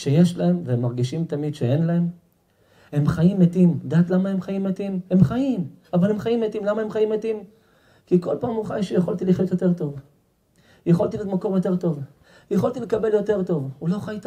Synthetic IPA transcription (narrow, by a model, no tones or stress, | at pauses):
ʃejeʃlae̞mveemːaʁɡiʃimt̪amid̪ʃeenlaem | emχajimːet̪imd̪aːt̪lamae̞mχajimːet̪imhe̞mχaim | avale̞mχajimːet̪imlamaemχajimːet̪im | kiko̞lpaːmuχajʃejeχolt̪iliχjot̪jot̪e̞ʁt̪o̞v | jeχolt̪iliot̪mako̞ʁjo̞t̪e̞ʁt̪o̞v | jeχolt̪ilekabe̞ljo̞te̞ʁt̪o̞vulo̞χajt̪